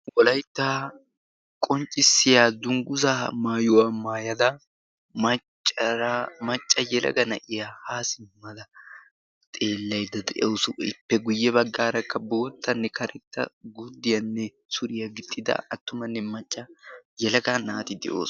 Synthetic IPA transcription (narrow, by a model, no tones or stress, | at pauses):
wɔlɐjt̪ːaː | kʼɔnt͡ʃʼːɪsːɪjaːd̪ʊŋɡʊzaːmaːjʊwamaːjɐd̪ɐ | ɐt͡ʃː | mɐt͡ʃʼːɐjɛlɐ̰ɡɐnɐ̰ʔɪjahaːsɪmːɐd̪ɐ | t̪ʼe̞ːlːɐjd̪ɐd̪ɛʔɛwsʊɪ̰pːɛɡʊjːɛβɐɡːaːɾɐkːɐbo̞ːt̪ʰːɐnːɛkʰɐɾɛt̪ːɐ̰ɡʊd̪ːɪjɐnːɛ | sʊɾɪjɐɡɪt̪ːɪd̪ɐ̰ɐt̪ːʊmɐnːɛmɐt͡ʃʼːɐjɛlɐɡanaːt̪ɪd̪ɛ̰ʔo̰ːs